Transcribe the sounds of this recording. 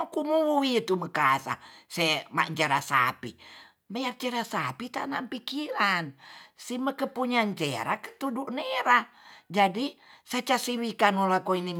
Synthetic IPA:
kumuwit̪uməkasa̰sɛma̰ʔɲt͡ʃeɾasa̰pḭ | mejak̚t͡ʃeɾasapit̪a̰nampikiɾansiməkəpuɲaɲt͡ʃeɾakə̥t̪uduʔneɾa | d͡ʒadisat͡ʃasiwikanolakoini

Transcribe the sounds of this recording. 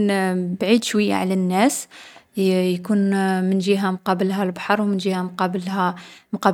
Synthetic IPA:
nbʕid̪ʃwəjːa̰ʕlænːæs | jkunmənʒiɦæmqɑbəlɦælbɑħɑɾˤwmənʒihæmqɑblhæmqɑ

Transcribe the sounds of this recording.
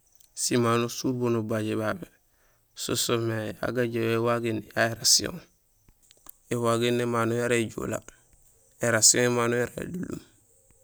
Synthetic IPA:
simanusuɾbonubaɟebabe | so̰someja̰ɡaɟewewaɡinːejaeɾasiõ̰ŋ | ewaɡinːemanujaɾeɟo̰la̰ | eɾasiõŋemanujaɾḛdulṵm

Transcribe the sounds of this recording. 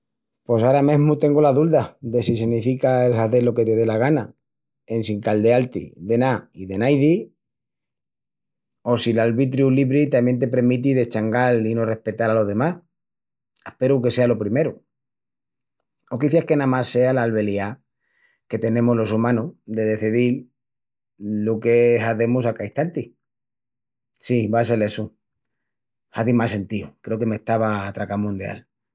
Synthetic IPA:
po̞s̬aɾameɦmut̪e̞ŋɡolaðuld̪ad̪e̞sisinifikaelxaðe̞lo̞ke̞t̪e̞ðe̞laɣ̞ana | e̞nsiŋkald̪e̞alt̪ḭðe̞naiðe̞najð̞i | o̞silalβit̪̬ɾjuliβɾit̪amje̞nt̪̬e̞pe̞ɾmit̪̬iðe̞t͡ʃaŋɡalino̞re̞hpe̞t̪aɾalo̞ðe̞mas | ehpe̞ɾuke̞se̞alo̞pɾime̞ɾu | okiθehke̞nãmasːe̞alaːlβe̞lia | ke̞t̪e̞nẽ̞molo̞sumãnud̪e̞ðe̞θiðil | ukeɦaðe̞musakaiht̪ant̪i | siβas̬e̞lesu | aðimase̞nt̪iukɾe̞oke̞me̞ht̪aβaːt̪ɾakamũnd̪ja̰l

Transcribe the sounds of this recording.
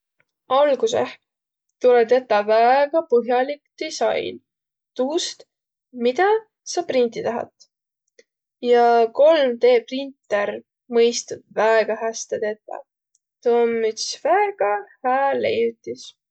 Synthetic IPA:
ɑlɡ̥useh | t̪ulet̪et̪ːˑɑvæeɡ̥ɑpɤɦjɑlikd̪̥isɑ̰jn | t̪uːst̪ | mid̪ɑ | sɑprint̪it̪æɦɑ̰t̪ | jɑko̞lmt̪e̞ːprint̪ːˑeɾ | mɤjst̪ud̪̥væeɡ̥ɑɦæst̪ed̪e̞t̪ːɑ̰ | t̪onːyt̪svæeɡ̥ɑhæːlḛjut̪ːˑis

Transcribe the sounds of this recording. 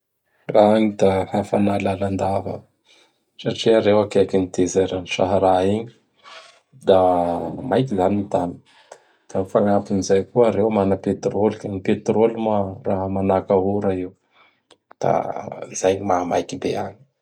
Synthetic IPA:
raaɲid̪ahafanalaland̪avə̰ | saʈ͡ʂiaɾewakeakinit̪ezajɾaniʃaɦaɾaiɲi̥ | d̪amajk̬izaninit̪anə | d̪̥amifaŋapinizajkuəɾewmanəpet̪ɾolikaɲipet̪rolimaraɦəmanakaɦuɾaiw | d̪̥a̰zajɲimamajkibeaɲi

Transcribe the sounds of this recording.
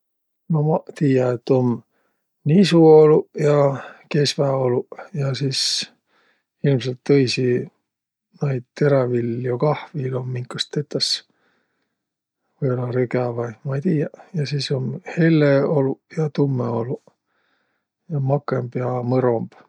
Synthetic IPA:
nomɑt̪iːjɑet̪ːo̞m | nisuo̞lujɑke̞svæo̞lujɑsiːs | ilms̬elt̪ːɤjsi | nɑjd̪̥̚t̪e̞ɾɑviljokɑhvilomːiŋkːɑst̪ːe̞t̪ːˑɑs | vɯjolɑɾyɡɑvɑjmɑejt̪iːjɑjɑsiːso̞mhe̞lːeolujɑt̪umːeo̞lu | jɑmɑkːˑembjɑmɤɾomb̥

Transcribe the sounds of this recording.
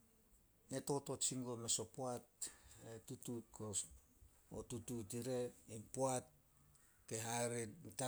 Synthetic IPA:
ne̞to̞tot͡ʃiŋɡo̞meso̞poatetutut̚kʰos | otututiɾe̞impoat̚ | ke̞ɦaɾenta

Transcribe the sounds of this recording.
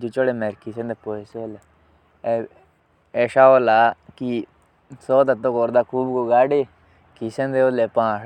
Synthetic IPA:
d͡ʒut͡ʃoɽemɛɾkisẽnd̪epoesole | eʃaːoːlaːki | sɔːd̪ət̪õːkoːɾd̪aːkʰuːbkoɡaːɖeː | kisẽnd̪eolepãː

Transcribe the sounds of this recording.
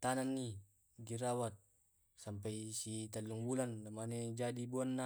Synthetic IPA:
t̪ananːi | ɡiɾawat̪̚ | sampajsit̪alːuŋbulanːamaned͡ʒadibuanːa

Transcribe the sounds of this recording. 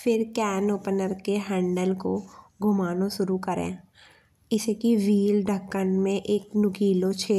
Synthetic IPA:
fʰɪɾkɛːnoːpnəɾkeɦɛ̃ːɳɖəlkoɡʱʊmaːnõʃʊɾukəɾḛ̃ː | ɪsekiʋiːlɖʱəkːənmẽʔeːknʊɡiːlot͡ʃʰeː

